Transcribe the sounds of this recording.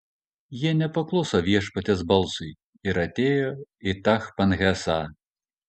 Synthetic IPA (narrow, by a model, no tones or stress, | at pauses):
jɛnʲɛpaklˠɔsɐvʲɛʂpɐt̪ʲɛzbalˠsɨ | iɾɐtʲejɔit̪axpɐnɣʲasa